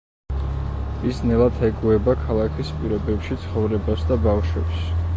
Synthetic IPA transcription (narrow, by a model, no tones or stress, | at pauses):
isnɛlˠat̪ʰɛɡuɛbakʰalˠakʰispʼiɾɔbɛpʃit̪sʰχɔvɾɛbasd̪abafʃwɛps